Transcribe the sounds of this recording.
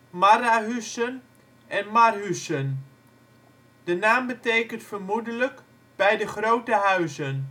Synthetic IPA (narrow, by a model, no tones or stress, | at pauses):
maraɦysən | ʔɛnmarɦysən | d̥ənaːmbətejkəntfərmudələk | b̥ɛjdəχrowtəɦœɥzən